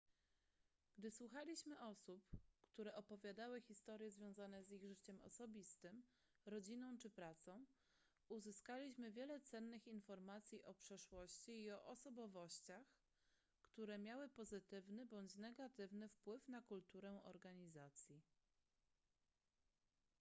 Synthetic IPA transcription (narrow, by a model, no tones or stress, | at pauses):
ɡ̥d̪ɘswuxalʲiɕmɘʔɔsupkt̪uɾɛʔɔpɔvʲjad̪awɘxʲist̪ɔɾʲjɛzvʲjɔ̃w̃zanɛziɣʐɘt͡ɕɛmɔ̰sɔbʲist̪ɘm | ɾɔd͡ʑinɔ̃w̃t͡ʂɘpɾat̪sɔ̃w̃ | uzɘskalʲiɕmɘvʲjɛlɛt̪sɛnːɘxinfɔɾmat̪sʲjiʔɔpʂɛʂwɔɕt͡ɕiːɔʔɔsɔbɔvɔɕt͡ɕax | kt̪uɾɛmʲjawɘpɔzɘt̪ɘvnɘbɔɲt͡ɕnɛɡat̪ɘvnɘfpwɘfnakult̪uɾɛʔɔ̰ɾɡaɲizat̪sʲji